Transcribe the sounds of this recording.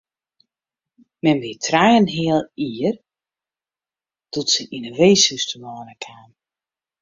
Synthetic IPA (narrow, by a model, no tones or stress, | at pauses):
mɛnbitʰrajənɦɪəlˠiər | tɔtsəʔinəʋeːsystəmɔːnəkʰaːm